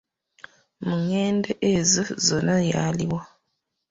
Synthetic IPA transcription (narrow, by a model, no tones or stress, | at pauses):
muŋeːndeʔezizonajaliwa